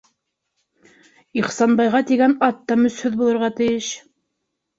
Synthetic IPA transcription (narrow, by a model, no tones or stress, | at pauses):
iχsɑnbɑjʁɑt̪iɡænɑt̪ːɑmɵ̆shɵðbulˠɤ̆ɾʁɑt̪ɘ̆jɘʃ